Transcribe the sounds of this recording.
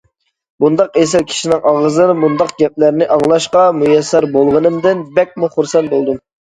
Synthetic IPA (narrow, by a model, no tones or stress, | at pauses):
bund̪ɑqesɪɾkʲʰi̥ʃinɪŋʔɑʁəzɨnmund̪ɑq̚ɡʲɛp̚læɾnɪʔɑŋlˠɑʃqɑmujɛsːɛɾbolˠʁənɨmd̪ɪnbɛk̚ʲmuχuɾsɛnt̪̚bolˠd̪ɨm